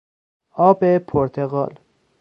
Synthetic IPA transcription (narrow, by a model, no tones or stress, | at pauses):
ɒːbepʰoɾt̪ʰeɣɒ̰ːl